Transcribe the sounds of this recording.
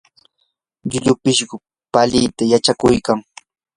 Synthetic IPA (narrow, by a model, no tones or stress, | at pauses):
ʎʊʎʊpɪʃɢʊ | palɪjt̪ajat͡ʃakʊjkaŋ